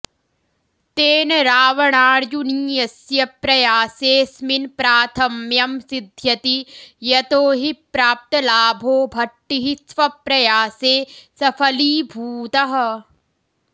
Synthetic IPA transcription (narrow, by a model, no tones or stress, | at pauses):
t̪eːnɐɾaːʋɐɳaːɾjuniːjɐsjɐpɾɐjaːseːsminpɾaːt̪ʰɐmjɐmsid̪ʱjɐt̪ijɐt̪oːɦipɾaːp̚t̪ɐlaːbʱoːbʱɐʈːiɦisʋɐpɾɐjaːseːsɐpʰɐliːbʱuːt̪ɐɦɐ̆